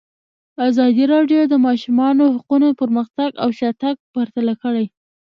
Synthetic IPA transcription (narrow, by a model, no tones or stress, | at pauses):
azɑd̪iɾɑɖjod̪əmɑʃumɑnohaqunopəɾməxt̪aɡawʃat̪aɡ̚paɾt̪alakəɽaj